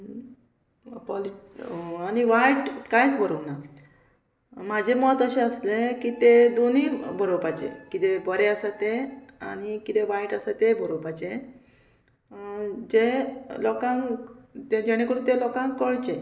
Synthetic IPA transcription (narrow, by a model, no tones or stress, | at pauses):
pɔli | aɽ̃iʋajʈkajt͡sbəɾəwna | mad͡ʑʱemɔt̪əɕẽəslekiːt̪ed̪onibəɾobat͡ɕḛkit̪ebəɾeəsat̪ea̰ɽ̃ikit̪eʋajʈəsat̪ebʱəɾobat͡ɕe | d͡ʑelɔkãŋ | ed͡ʑeɽ̃ekuɽũt̪elɔkãŋkkːəɭt͡ɕe